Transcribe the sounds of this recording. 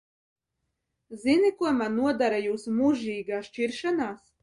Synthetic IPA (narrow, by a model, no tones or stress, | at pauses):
zinikuɔmanːuɔd̪aɾajuːsmuʒiːɡaːʃt͡ʃiɾʃanaːs